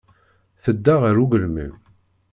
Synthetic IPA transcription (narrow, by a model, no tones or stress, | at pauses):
θəd̪ːaʁəɾuɡəlmə̰m